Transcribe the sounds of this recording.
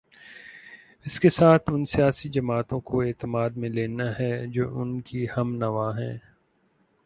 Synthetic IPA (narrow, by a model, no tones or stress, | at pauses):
ɪskesaːt̪ʰʊnsijaːsid͡ʒɐmaːt̪õkoeːt̪əmaːd̪mẽleːnaɦɛd͡ʒoːʔʊnkihɐmnɐʋaːɦɛ̃ː